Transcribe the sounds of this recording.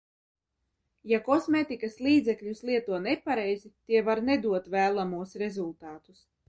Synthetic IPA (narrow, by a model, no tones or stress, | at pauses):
jakɔsmeːt̪ikaslˠiːd̪zʲɛkʎʲuslˠiɛt̪uɔnepaɾɛjzit̪iɛvaɾned̪uɔt̪væːlˠamuɔsɾezulˠt̪aːt̪us